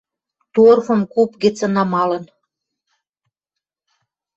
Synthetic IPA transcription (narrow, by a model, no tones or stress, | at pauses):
t̪orfə̆mkupɣĕt͡sə̆nɑmɑlə̆n